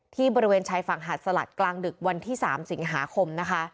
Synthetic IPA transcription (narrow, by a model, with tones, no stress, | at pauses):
t̪ʰiː˥˩bɔː˧ɾi˦weː˧nt͡ɕʰaː˧jfa˨˩ŋɦaː˨˩t̪̚sa˧la̰˨˩t̪̚klaː˧ŋdɯ˨˩k̚wa˧nt̪ʰiː˥˩saː˩˦msi˩˦ŋɦa̰ː˩˦kʰo˧mna˦˥kʰa˦˥